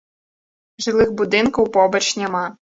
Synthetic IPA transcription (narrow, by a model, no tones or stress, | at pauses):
ʒɪlˠɪxbʊd̪ɪnkɐwpɔbɐt͡ʃnʲɛmɑ